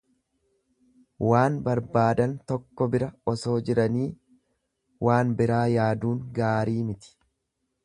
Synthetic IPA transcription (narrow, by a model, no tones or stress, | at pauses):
waːnbɐɾbaːd̪ɐnt̪ɔkːɔbɪɾɐɔso̞ːd͡ʒɪɾɐniː | wʔaːnbɪɾaːjaːd̪uːŋɡaːɾiːmɪt̪ɪ̥